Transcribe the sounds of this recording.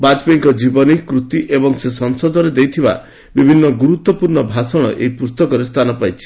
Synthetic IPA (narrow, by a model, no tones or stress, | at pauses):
bad͡ʒpeŋkɔd͡ʒibɔnikɾut̪iʔebɔŋsesɔŋsɔd̪ʱɔɾed̪ejt̪ʰiba̰ | bibʱinːɔɡuɾut̪wɔpuɾɳɔbʱasɔɽ̃ɔʔeipust̪ɔkɔɾest̪ʰanɔpajt͡ʃʰi̥